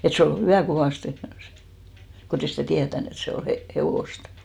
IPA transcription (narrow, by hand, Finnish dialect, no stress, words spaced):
et se ol hyʋæˑ koʋɑˑste kotei sitæˑ tiætæn et se o he heʋoˑst